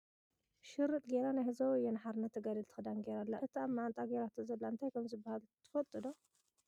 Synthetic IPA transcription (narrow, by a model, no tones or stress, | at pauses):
ʃɨɾɨt̪ʼɡeɾanajhɨzawɨjɛnaħaɾnːɐt̪ʰːɐɡad̪ɐlt̪ʰɨ̥xɨd̪anɡeɾalːaʔɨt̪ʰiamːaʕant̪ʼaɡeɾat̪ʰozɐlːaɨnt̪ʰajkʰɐmzɨbːahalt̪ʰɨ̥fɐlt̪ʼɨd̪o